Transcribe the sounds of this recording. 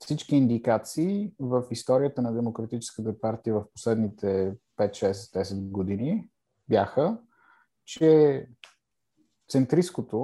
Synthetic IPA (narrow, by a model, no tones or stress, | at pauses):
fsit͡ʃkiːnd̪ikat̪siːvəfist̪ɔɾijət̪ənɐd̪ɛmokɾɐt̪it͡ʃɛ̥skət̪əpaɾt̪iəvəfpo̥slɛd̪nit̪ʰɛpɛt̪ʃɛsɛt̪d̪ɛsɛd̪ɡod̪ini | bjaxə | t͡ʃɛ | t̪sɛnt̪ɾiskot̪o